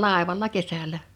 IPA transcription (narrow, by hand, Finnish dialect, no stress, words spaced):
lɑˑeʋɑlːɑ kesælæ